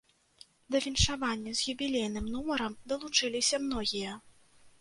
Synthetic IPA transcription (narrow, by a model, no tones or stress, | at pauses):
d̪ɐvʲinʂavanʲːɐzʲjʲubʲilʲejnɨmnumɐɾɐmd̪ɐlˠut͡ʂɨlʲisʲɐmnɔɣʲijɐ